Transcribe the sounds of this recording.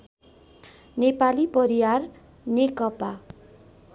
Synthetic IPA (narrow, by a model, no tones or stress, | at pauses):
nepalipʌɾiwar | nekʌpa